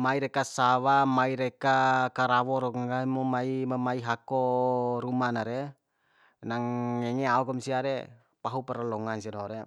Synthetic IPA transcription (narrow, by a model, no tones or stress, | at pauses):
maiɾɛkasawamaiɾɛkakaɾawɔɾɔŋamɔmaimamaiɦakɔɾumanaɾɛ | naŋɛŋɛaukɔmsiaɾɛ | paɦupɛɾalɔŋansinɔɾɛ